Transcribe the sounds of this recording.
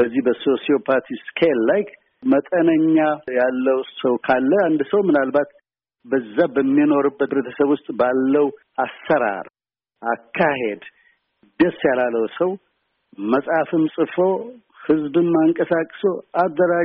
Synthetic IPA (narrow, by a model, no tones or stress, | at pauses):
əzːihbəso̞sio̞pʰat̪ʰiskʰeallajk | mət̪ʼənəɲːajalːəwsəwkʰalːəand̪səwmɨnalbat̪ | bəzːabəmːino̞ɾɨbːət̪ɾet̪ʰəsəβwʊst̪ʼbalːəw | asːəɾa̰ɾ | akʰːahe̞d̪ | d̪əsjalalːəwsəw | məsʼhafɨmsʼɨfo | hɨzbɨmːaŋkʼəsakʼːsoad̪ːəɾa